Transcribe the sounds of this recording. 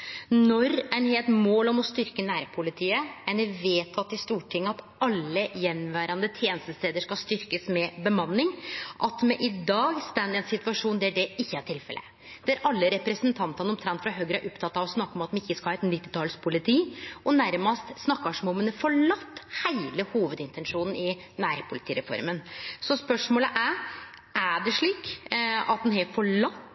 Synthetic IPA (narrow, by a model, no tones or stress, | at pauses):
nɔɾæɪnheːlt̪moːlɔmɔst̪ʏɾkənæːɾpʰʊlɪt̪ʰiːəænɛʋeːt̪ʰɑt̪ːɪst̪uːʈʰɪŋːəɑt̪ | ɑlːəjɛnːʋæːɾɑnd̪ət̪ʰjeːnəst̪əst̪eːd̪əʂkɑlst̪ʏɾkəsmɛbəmɑnːɪŋʔɑt̪mɛʔɪd̪ɑːɡst̪ænd̪ɛnsɪt̪ʉɑʂuːnd̪ɛæɖɛɪçːəæʈʰɪlfɛ̰lʔə̰ | d̪̥ɛæɾʔɑlːəɾɛpɾɛsənt̪ʰɑnt̪ɑnəɔmt̪ʰɾɛnt̪fɾɑɦøːɡɾæɾʔɔpt̪ʰɑt̪ːɑʋɔsnɑkːəɔmɑt̪̚ːɛɪçːəskɑlhɑɛt̪nɪt̪ːɪt̪ʰɑːlspʰʊlɪt̪ʰiːɔnæɾmɑst̪snɑkːɑʂɔmɔmɛnɛfɔɭɑt̪ːhæɪləhuːʋəd̪ɪnt̪ʰɛnʂuːnn̩ɪ | næːɾpʰʊlɪt̪ʰiːɾɛfɔ̰ɾmənsɔspœʂmoːləʔæ | ʔæɖɛʂɭiːkɑt̪̚d̪ɛnɦɛfɔɭɑt̪ː